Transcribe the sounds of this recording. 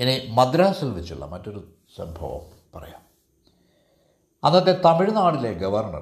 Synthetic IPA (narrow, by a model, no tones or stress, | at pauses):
enimɐd̪ɾaːsilʋɐt͡ɕːuɭːɐ̰mɐtːo̞ɾu | sɐmbʱɐ̰ʋɐ̰m | pɐrɐ̰jaːm | ɐnːɐt̪̬ːet̪ɐmiɻinːaːɽileɡɐʋɐrɳɐ̰